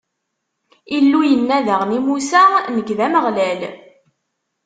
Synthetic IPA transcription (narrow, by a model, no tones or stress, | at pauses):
ilːujənːæðəʁnimusænəɡðæməʁlæl